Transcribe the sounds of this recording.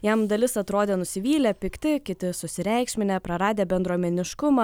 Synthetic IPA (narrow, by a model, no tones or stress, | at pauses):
jɛmd̪ɐlʲɪsɐt̪ɾoːd̪ʲeːnʊsʲɪʋʲiːlʲɛpʲɪkt̪ʲɪkʲɪt̪ʲɪsʊsʲɪɾʲɛˑɪkʃʲmʲɪnʲeːpɾɐɾɑːd̪ʲeːbʲɛnd̪ɾuɔmʲɛnʲɪʃkʊmɑ